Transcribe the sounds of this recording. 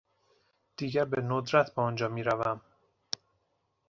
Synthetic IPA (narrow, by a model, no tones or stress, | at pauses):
d̪̥iːɟæɾbenod̪ɾæt̪ʰbeɒnd͡ʒɒːmiːɾævæm